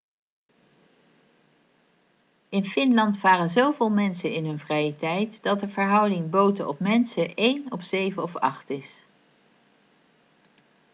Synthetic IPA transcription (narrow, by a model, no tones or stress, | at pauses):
ɪnfɪnlɑntʋaːrənzowvɪːlˠmɛnsənɪnɦɵnvrɛjətɛjtd̥ɑt̚dəvəɹɦʌwdɪŋbowtəʔɔ̰pmɛnsəʔejnɔfsejvənɔfɑ̰χtɪs